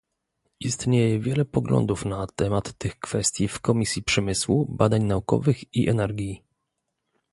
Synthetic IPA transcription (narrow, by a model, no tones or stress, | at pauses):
ist̪ɲejɛvʲjɛlɛpɔɡlɔ̰nd̪ufnat̪ɛmat̪ːɘxkfɛst̪ʲjifkɔmʲisʲjipʂɛmɘswubad̪aɲnaukɔ̰vɘxiʔɛ̰nɛɾɡʲi